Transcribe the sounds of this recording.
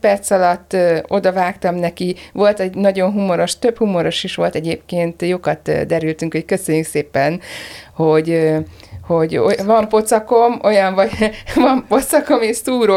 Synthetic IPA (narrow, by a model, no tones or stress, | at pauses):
pɛrt̪sɒlɒt̪ːo̞d̪ɒvaːkt̪ɒmnɛkiʋo̞lt̪ɛɟnɒɟo̞nɦumoɾo̞ʃt̪ø̞phumo̞ɾo̞ʃiʃʋo̞lt̪ɛɟeːpkeːnt̪joːkɒt̪ːd̪ɛɾylt̪yŋkockøsø̞ɲːykseːpɛnho̞ɟ | ho̞ɟovɒmpo̞t̪sɒko̞mo̞jɒɱvɒɟvɒmpo̞t̪sɒko̞meːʃsuːɾo